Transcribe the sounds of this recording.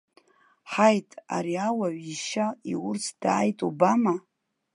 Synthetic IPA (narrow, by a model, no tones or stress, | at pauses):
ħajtʼa̰ɾiawaʕiʃaiwʊrt͡sʰd̥a̰ːjtʼubama